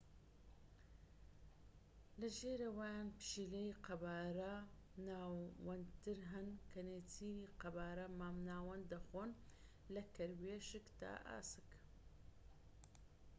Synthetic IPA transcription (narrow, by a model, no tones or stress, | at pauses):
lɐʒeːɾɐwaːjaːnpɨ̥ʃilejiqɐbaːɾɐnaːwɐnt̪ɨɾɦɐnkʰɐneːt͡sʰiːɾiːqɐbaːɾɐmaːmnaːwɐnd̪ɐxoːn | lɐkɐɾweːʃɨkt̪a̰ːʔa̰ːsɨ̥k